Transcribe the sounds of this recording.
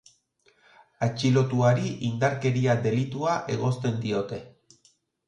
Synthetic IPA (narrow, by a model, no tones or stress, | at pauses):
at͡ʃilo̞t̪uaɾiʔind̪aɾke̞ɾiad̪e̞lit̪uaʔe̞ɣo̞st̪e̞nd̪io̞t̪e̞